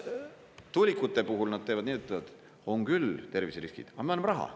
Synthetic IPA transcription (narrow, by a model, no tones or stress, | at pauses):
t̪ulʲikːˑut̪ːˑe̞puɦulnɑd̪̥̚t̪eːvɑd̪̥niːt̪ːˑevɑd̪̥ | o̞ŋkylt̪e̞rvisɾiskḭd̪̥ɑmeɑnːɑmrɑɦɑ̰